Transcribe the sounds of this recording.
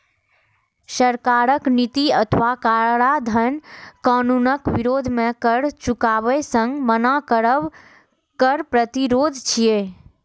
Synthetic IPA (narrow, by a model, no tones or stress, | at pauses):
ʃəɾkaːɾəknit̪iət̪ʰʋakaɭad̪ʱənkaːnunəkʋɪɾoːd̪ʱmẽkəɾt͡ʃukaːʋəsə̃ŋɡmənakəɾəʋ | kəɾpɾət̪iɾoːd̪ʱt͡ʃʰije